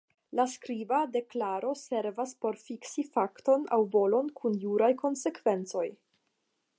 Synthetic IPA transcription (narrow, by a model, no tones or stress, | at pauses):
laskɾivade̞klaɾo̞se̞ɾvaspo̞ɾfiksifakto̞na̰wvo̞lo̞nkʰunjuɾajko̞nse̞kv̥e̞nt͡so̞j